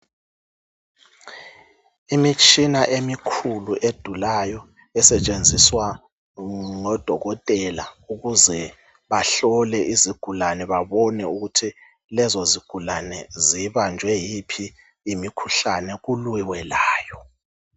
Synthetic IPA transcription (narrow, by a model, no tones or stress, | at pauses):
imit͡ʃʼinaʔemikʰuluʔed̥ʱulajɔ | ɛsɛt͡ʃʼend͡zʱiswa | ŋɔd̥ʱɔɣɔtʼɛlauɣuzɛ | βaɬɔlɛʔiziɡ̥ʱulanɛβaβɔnɛuɣutʰi | lɛzɔziɡ̥ʱulanɛziβand͡ʒʱwɛjipʰiː | mikʰuɬanɛɣulwiwɛlaːjɔ